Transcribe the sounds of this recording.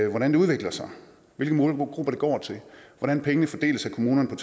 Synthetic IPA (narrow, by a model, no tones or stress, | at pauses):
ʋɒɾ̥ænd̥e̝uð̞ˠʋe̝ɡ̥lɐsɑ̈ɪ | ʋe̝lɡ̥əmɔːlɡ̥ʁub̥ɐɾ̥eɡ̥ɒ̰ːt͡sʰe̝lʋɒɾænpʰeŋənəfɒd̥e̝̰ːləsækʰo̝muːnɐnpʰɒ̽t͡sʰ